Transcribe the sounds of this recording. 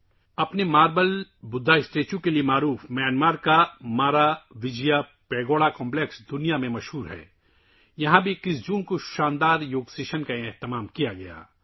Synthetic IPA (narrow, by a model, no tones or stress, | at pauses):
ɐpnemaːɾbəlbʊd̪ʱːaɪsʈeːt͡ʃõkeliemaːɾuːfmjaːnmaːɾkamaːɾaʋɪd͡ʒija | pɛːɡoːɽakɔ̃ːmpleksd̪ʊnijamẽmɐʃɦuːɾɦɛ̰ː | jɐɦãbʱikɪsd͡ʒũːnkoʃãːnd̪aːɾjoːɡsɪʃənkaeɦt̪ɪmaːmkijaɡɐja̰ː